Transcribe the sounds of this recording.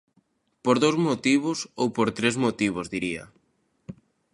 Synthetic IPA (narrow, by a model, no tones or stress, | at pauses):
poɾðowzmot̪iβʊsowpoɾt̪ɾezmot̪iβozðiɾia̰